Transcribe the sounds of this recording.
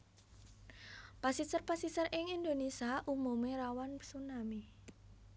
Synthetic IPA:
pasisərpasisərʔɪŋind̪onisaʔumumeɾawansunami

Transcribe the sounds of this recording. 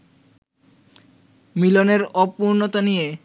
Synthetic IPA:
miloneɾɔpuɾnot̪onije

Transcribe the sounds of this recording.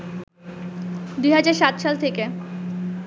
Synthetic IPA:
d̪ujɦad͡ʑaɾʃat̪ʃalt̪ʰeke

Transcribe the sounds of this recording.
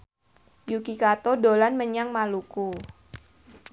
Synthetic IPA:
jukikat̪odolanməɲaŋmaluku

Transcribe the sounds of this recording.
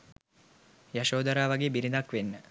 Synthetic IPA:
jaʃoːd̪əɾaːʋaɡeːbiɾid̪akʋenːə

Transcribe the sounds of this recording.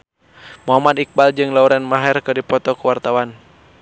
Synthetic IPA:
moɦamad̪ik̚bald͡ʒɨŋlauɾɛnmaɦɛrkɨrdipɔt̪ɔkuwart̪awan

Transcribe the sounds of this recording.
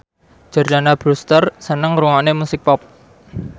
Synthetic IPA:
d͡ʒ̥ə̤rd͡ʒanab̥ɾust̪ərsənəŋɾuŋanemusɪk̚pɔp̚

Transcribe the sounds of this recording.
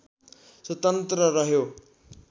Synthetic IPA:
swʌt̪ʌnt̪rʌɾʌɦjo

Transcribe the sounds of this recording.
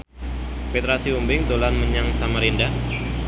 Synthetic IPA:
pet̪ɾasiumbɪŋt̪olanməɲaŋsamaɾinda

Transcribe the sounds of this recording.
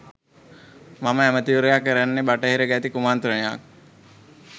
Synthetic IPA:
maməæmət̪iʋuɾəjakːəɾænːebaʈəɦeɾəɡæt̪ikumant̪ɾəneja̰k̚

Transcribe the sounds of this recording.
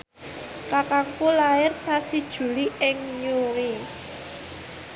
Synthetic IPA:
kakaŋkulaɪrsasid̥ʒ̥ṳliɪŋɲuɾi

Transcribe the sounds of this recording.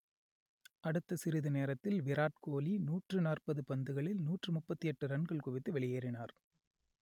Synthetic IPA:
ʔɐɽɯt̪ːɐsɪɾɪðɯneːɾɐt̪ːɪlʋɪɾaːʈ̚koːlinuːʈrɯnaːrpɐðɯpɐnd̪ɯɣɐɭɪlnuːʈrɯmʊpːɐt̪ːiɛʈːɯɾɐɳɡɐɭkʊʋɪt̪ːɯʋɛɭɪjeːɾɪnaːɾ

